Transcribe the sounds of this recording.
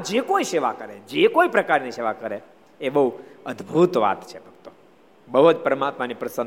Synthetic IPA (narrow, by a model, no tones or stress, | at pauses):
d͡ʒekoiseʋakəɾed͡ʒekoipɾəkaɾniseʋakəɾe | ebəɦuəd̪bʱut̪ʋa̰t̪t͡ʃʰebʱəɡ̚t̪o | bəɦot͡ʃ̪pəɾəmat̪manipɾəsən